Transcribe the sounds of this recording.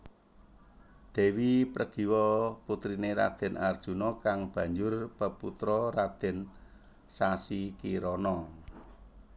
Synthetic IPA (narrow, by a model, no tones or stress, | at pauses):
d̪̥e̤wipɾəɡ̥i̤wɔput̪ɾineɾa̰d̪̥ɛ̤nard̥ʒ̥ṳnɔkaŋb̥ä̤ɲd͡ʒʊrpəput̪ɾɔrad̪̥ɛ̤n | sasikiɾɔnɔ